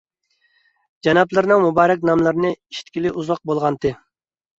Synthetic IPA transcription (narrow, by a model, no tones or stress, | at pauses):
d͡ʒɑnɑplˠɨɾnɨŋmubɑːɾɛk̬ʲnɑmlˠɨɾnɨiʃi̥t̪ʲkʲilɪʔuzɑq̚bolˠʁɑnt̪ʰɨ